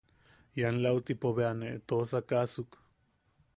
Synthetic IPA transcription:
janlawt̪ipoβeaneʔt̪osakasuk

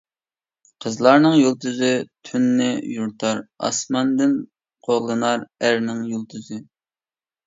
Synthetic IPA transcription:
qʰəzlˠɑɾnɨŋjolˠt̪ɨzɨt̪ʰynːɪjuɾt̪ʰɑɾɑ̰smɑnd̪ɪn | qʰoʁlˠɨnɑɾæɾnɪŋjolˠt̪ʰɨzɨ

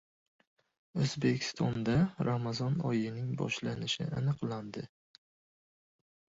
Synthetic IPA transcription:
ɵzbe̞kʲʰɪ̥st̪ʰɒnd̪aɾamazɒnɒjɪnɪŋbɒ̰ʃlanɪʃɪ̰anɨqland̪ɪ

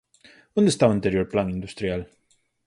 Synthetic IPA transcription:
ʌ̃nd̪əst̪awə̃nt̪ɛɾjɔɾplãŋĩnd̪ust̪ɾial

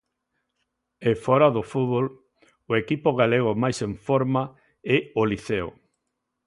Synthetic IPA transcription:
efɔɾaðofuβol | ʊekipoɣaleɣ̞omajsẽɱfoɾma | ɛoliθeo̰

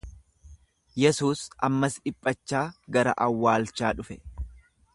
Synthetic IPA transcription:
jɛsuːsɐmːɐsɪpʼːɐt͡ʃːaːɡɐɾɐ̰ʔɐwːaːlt͡ʃːaːᶑʊfɛ

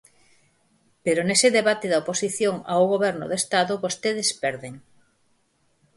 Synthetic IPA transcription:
peɾonesɪðeβat̪eðɐoposiθjoŋa̰oɣoβɛɾnʊ̰ðest̪aðʊβost̪eð̞espɛɾðeŋ

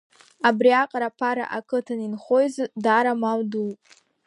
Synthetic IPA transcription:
abriaqʼaɾapʰaɾa̰ʔakʰɨtʰaninχojzdaːɾamawdu

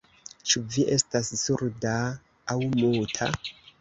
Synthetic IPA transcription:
t͡ʃuviʔe̞stassuɾdaː | wmutʰa̰

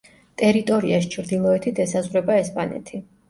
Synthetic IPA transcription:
t̪ʼɛɾit̪ʼɔɾḭas̬t͡ʃʰɾd̪ilˠɔɛt̪ʰit̪ʰɛsazʁɾɛbaɛspʼanɛ̰t̪ʰi

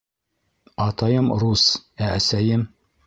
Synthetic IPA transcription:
ɑt̪ɑjɤmɾusææsæjɘm

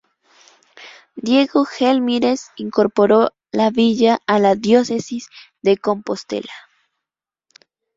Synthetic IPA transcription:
d̪je̞ɣo̞xelmiɾesiŋko̞ɾpo̞ɾo̞ | laβiʝaːlaðjo̞se̞siz | ðe̞ko̞mpo̞st̪ḛla

